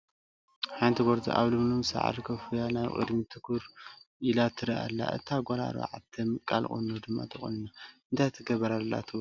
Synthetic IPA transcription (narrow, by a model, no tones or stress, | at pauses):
ħajnt̪ʰiɡoɾd̪ḭʔa̰βlɨmlumsa̰ʕa̰ɾikʰɐfɨjanaβkʼɨ̰d̪ɨnit̪ʰɨkʰuɾilat̪ʰːɨɾiʔa̰lːa̰ʔɨ̰t̪ʰaɡʷola̰ɾa̰ʕa̰t̪ʰɐmɨkʼːalχʼṵnːod̪ɨmːa̰t̪ʰɨxʼṵnɨnaɨnt̪ʰajt̪ʰɨɡɐβɐɾalːa̰t̪ʰɨ